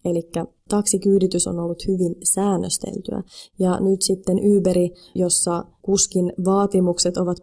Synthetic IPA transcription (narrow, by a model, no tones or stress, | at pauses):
elikːæ | t̪ɑksikyːɾit̪yso̰nolːut̪hyʋinsæːnːøst̪ḛlt̪y̰æ̰jɑnyt̪sit̪ːenʔyːpeɾi | jo̞sːɑkuskinʋɑːt̪imukset̪o̞ʋɑt̪